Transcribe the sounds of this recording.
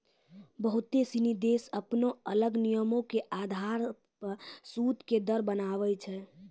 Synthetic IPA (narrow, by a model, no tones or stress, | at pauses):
bəɦut̪esinid̪esəpnoələɡnijəmokeʔad̪ʱaɾ | pəsut̪ked̪əɾbənaʋɛt͡ʃʰɛ